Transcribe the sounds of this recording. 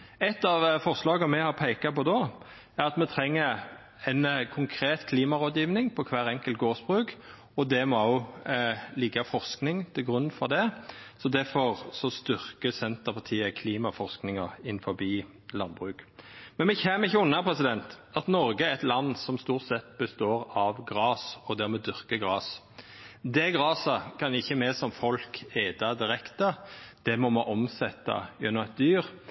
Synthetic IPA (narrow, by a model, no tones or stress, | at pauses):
ɛt̪ːɑʋfɔɾslɑːɡəmɛhɑʁpʰæɪkɑpɔd̪ɔ | æʁɑt̪mɛt̪ʰɾɛŋːəɾ | ɛnkʰʊŋkʰɾeːt̪kʰliːmɑɾoːd̪jiːʋnɪŋpʰɔkʰʋæːɾɛŋkəlt̪ɡoːʁsbʁʉːk | ɔd̪ɛmɔoʊ | lɪɡːɑfɔʁsknɪŋt̪ʰɪlɡʁʉnːfɔɾd̪ɛsɔd̪æfɔʁsɔst̪ʏʁkəsɛnt̪əʁpʰɑt̪ʰiːəkʰliːmɑfɔʁsknɪŋɑɪnfɔbiː | lɑnbʁʉːkmɛnmɛçɛmɪçːəʊnːəpʰʁɛsɪd̪ɛnt̪ɑt̪nɔɾɡəæɾɛt̪lɑnːsɔmst̪uːʁt̪sɛt̪bəst̪oːɾɑʋɡɾɑːsɔd̪ɛʁmɛd̪ʏʁkəɡʁɑːs | d̪ɛɡʁɑːsɑkʰɑnɪçːəmɛsɔmfɔlkeːd̪ɑd̪ɪɾɛkt̪əd̪̥ɛmɔmoːʔɔmsɛt̪ːɑ̰jɛnːɔmɛt̪̚d̪yːʁ